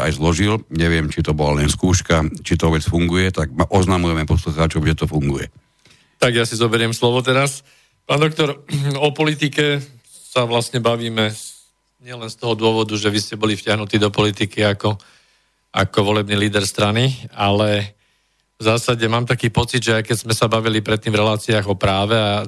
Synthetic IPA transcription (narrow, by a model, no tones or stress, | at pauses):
a̰jzlɔʒilɲɛʋɪɛmt͡ʃit̪ɔbɔlalɛnskuːʃkat͡ʃit̪ɔʋɛt͡sfuŋɡujɛt̪aɡ̚maʔɔznamujɛmɛpɔsluxaːt͡ʃɔʊʒɛt̪ɔfuŋɡujɛ | t̪aɡjasizɔbɛɾɪɛmslɔʋɔt̪ɛɾas | paːnd̪ɔk̚t̪ɔɾɔpɔlit̪ikɛ | saʋlasɲɛbaʋiːmɛ | ɲɪɛlɛnst̪ɔɦɔd̪ʊɔʋɔd̪uʒɛʋiscɛbɔlifcɪaɦnut̪iːd̪ɔpɔlit̪ikiakɔ | a̰kɔʋɔlɛbniːliːd̪ɛɾst̪ɾanialɛ | vzaːsaɟɛmaːmt̪akiːpɔt͡sid̪ʒɛajkɛzmɛsabaʋilipɾɛt̪ːiːmvɾɛlaːt͡siaːɣɔpɾaːʋɛa